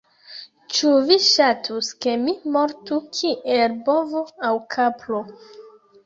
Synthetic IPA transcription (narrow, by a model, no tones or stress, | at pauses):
t͡ʃuviʃatʰuske̞mimo̞ɾtukʰiʔelbovoawkʰapʰlo